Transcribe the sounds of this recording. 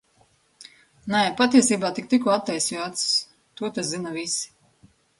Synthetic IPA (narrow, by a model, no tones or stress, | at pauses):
najɛpat̪iɛsiːbaːt̪ik̚t̪ikuat̪ːɛjsiat̪s | t̪uɔt̪aszinavisi̥